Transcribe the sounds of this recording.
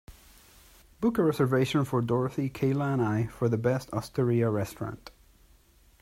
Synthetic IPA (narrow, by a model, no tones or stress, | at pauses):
b̥ʊkəɹɛzə˞veɪʃə̃nfə˞dɔɹθikʰeɪlˠãnaɪfə˞ðəbɛstʰɔstʰəɹiəɹɛstɹ̥ɑ̰̃nt